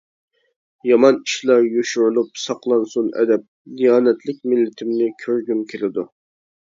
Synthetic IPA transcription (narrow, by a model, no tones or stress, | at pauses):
jɑmɑniʃlˠɑɾjoʃuɾlˠupsɑqlˠɑnsunɛ̰d̪ɛp̚dijɑːnɛt̪ʰlɪk̚ʲmɪlːɪt̪ʰɪmnɪkʲʰøɾɡʲymkʲʰɪɾɪd̪u